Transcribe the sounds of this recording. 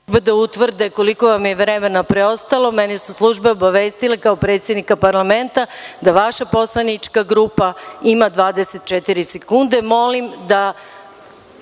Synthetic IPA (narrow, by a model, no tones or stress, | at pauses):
bed̪aut̪ʋr̩d̪eko̞liko̞ʋamjeʋɾemenapɾeo̞st̪alˠo̞menisuslˠuʒbeobaʋeːst̪ilekaopɾe̞ːt̪sjed̪nikapaɾlame̞nt̪ad̪aʋaʃapo̞slˠanit͡ʃkaɡɾupaimad̪ʋaːd̪eset̪̚t͡ʃet̪iɾisekund̪e̞mo̞limd̪a